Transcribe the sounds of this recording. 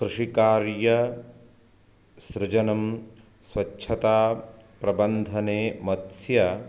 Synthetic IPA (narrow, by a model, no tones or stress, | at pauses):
kɾuʂikaːɾjɐ | sɾɪd͡ʒɐnɐm | swɐtːʃʰɐt̪aːpɾɐbɐnd̪ʱɐneːmɐt̪sjɐ